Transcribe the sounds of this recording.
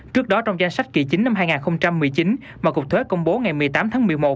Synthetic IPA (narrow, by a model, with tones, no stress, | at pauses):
t͡ɕɨ˦˥ək̚ɗɔ˨˦t͡ɕɔ˧wŋ͡mza˧jŋ̟sa˦˥jk̟̚ki˨˩t͡ɕi˨˦n̟na˧mɦaː˧jŋaː˨˩nxə˧wŋ͡mt͡ɕa˧mːɨ˨˩əjt͡ɕi˨˦n | vaː˨˩kʊ˨˩k̚t̪ʰwe˨˦kə˧wŋ͡mɓo˨˦ŋa˨˩jmɨ˨˩əjt̪aː˨˦mt̪ʰaː˨˦ŋmɨ˨˩əjmo˨˩t̚